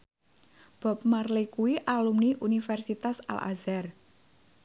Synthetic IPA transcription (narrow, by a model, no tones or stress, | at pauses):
b̥ɔ̤p̚marlikuwiʔalumniʔunifɛrsit̪asa̰lʔa̰zɛr